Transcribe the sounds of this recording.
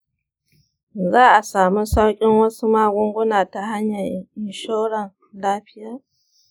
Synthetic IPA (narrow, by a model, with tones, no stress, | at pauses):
zaː˦ʔa˨saː˨mu˦sa˦wkʲʼɪ˦nwɐ˦su˦ma˦ɡʷʊ˦ŋɡʷʊ˦na˨ta˨ɦa˦ɲːa˨ɪ˨nʃo˦ɽa˨n | laː˦ɸɪ˦jaː˦˨